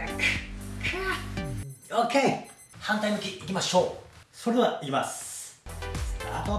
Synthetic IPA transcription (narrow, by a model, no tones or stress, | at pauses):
kkʰa | oke | hãnt̪aimɯ̟kʲiikʲimaɕo̞ːsoɾeeaʔikʲimas | a̰t̪o